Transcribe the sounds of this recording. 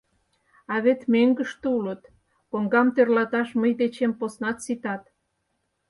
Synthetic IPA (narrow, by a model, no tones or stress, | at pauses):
ɑβet̪meŋɡə̆ʃt̪ulət̪ | koŋɡɑmt̪ørlɑt̪ɑʃməjd̪et͡ɕemposnɑt̪sit̪ɑt̪